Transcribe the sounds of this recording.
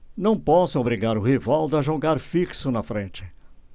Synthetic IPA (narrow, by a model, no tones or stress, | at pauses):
nɐ̃w̃pɔsʊ̃obɾiɡaɾʊhevawd̪ɐʒoɡaɾfiksʊnɐfɾẽnt͡ʃɪ̥